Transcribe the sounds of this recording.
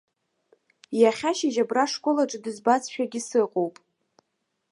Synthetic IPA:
jaχʲaʃiʒabraʂkʷʼolaʈ͡ʂʼɨdɨzbat͡sʃᶣaɡʲɪsɨqʼowpʼ

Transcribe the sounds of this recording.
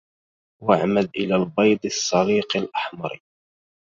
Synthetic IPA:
waʕmalʔɪlaːlbɑjd̪ˤɨsˤːɑliːqɪlʔaħmɑɾˤ

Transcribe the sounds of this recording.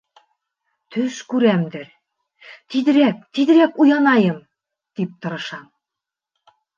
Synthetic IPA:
t̪ʰɵʃkʉɾæmd̪ɘ̆ɾ | t̪id̪ɘ̆ɾæk̚t̪id̪ɘ̆ɾækujɑnɑjɤm | t̪ip̚t̪ɤ̆ɾɤ̆ʃɑm

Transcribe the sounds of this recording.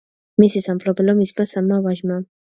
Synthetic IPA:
misisamplɔpɛlɔmismasammːavaʒma

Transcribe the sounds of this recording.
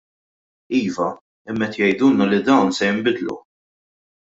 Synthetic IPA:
iːvɐ | ɪmːɛt̪jɛjd̪uːnɐlid̪ɐwnsɛjɪmbɪd̪lṵ

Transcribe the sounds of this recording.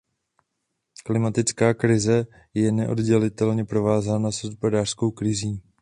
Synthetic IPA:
klɪmat̪ɪt͡skaːkɾɪzɛ | jɛnɛʔo̞̰dɟɛlɪt̪ɛlɲɛpɾo̞vaːzaːnasospodaːr̥sko̞wkɾɪziː

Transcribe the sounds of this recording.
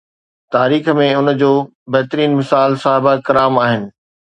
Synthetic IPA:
t̪aːɾiːxmẽʊnə̆d͡ʑoː | bɐɦt̪ɾiːnmɪsaːlsaːɦɪbakɐɾaːmaːɦɪnɪ̆

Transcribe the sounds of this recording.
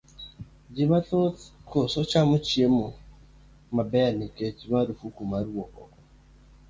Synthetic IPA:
d͡ʒimaokosot͡ʃamot͡ʃiemɔ | mabɛaniket͡ʃimaɾufukumaɾuwɔkɔ̰kɔ

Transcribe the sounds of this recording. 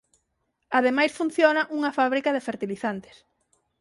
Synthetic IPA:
aðemajsfun̟θjonɐʔuŋɐfaβɾikɐðefeɾt̪iliθant̪e̥s

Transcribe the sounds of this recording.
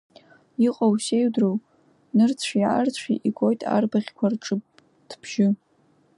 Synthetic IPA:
iqʼawsejdrow | nɨrt͡sʰiʕart͡ɕʷʰiʔiɡʷojtʼa̰rbaʁʲkʷʰarʈ͡ʂʼɨp | tʰb̥ʰʒ̥ɪ

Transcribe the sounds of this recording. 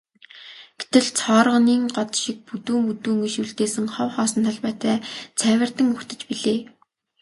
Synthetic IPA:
ɡ̥et̪ɘ̆ɮt͡sʰɔːɾəʁniːŋɢɔt̪ʃik̚put̪uːŋut̪uːŋiʃuɮt̪eːsɘ̆ŋχɔwχɔːsɞ̆nt̪ʰaɮpæːt̪æːt͡sʰæːwʲɪ̆r̥t̪ə̆ŋɵxt̪ɘ̆t͡ɕpiɮeː

